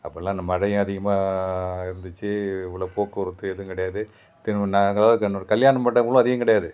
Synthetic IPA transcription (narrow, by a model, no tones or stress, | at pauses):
ɐpːɐlːãːnɐmːɐɽɐjɐ̃ɐðɪɣɐmaːɪɾɯnd̪ɯt͡ʃːɯɪʋɐɭɐpoːkːɐɾɯt̪ːɯɛðɯkɪɽɐjaːðɯ | t̪ɪnnaŋɡɐɭaːðɯknɽkɐljaːnɐmːɐɽɐkʊlʊ̃ɐðɪɣɐ̃kɪɽɐjaːðɯ